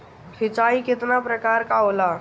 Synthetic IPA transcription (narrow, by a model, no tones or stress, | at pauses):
ɾɪt͡ʃaːikɪt̪napɾəkaːɾkaolaː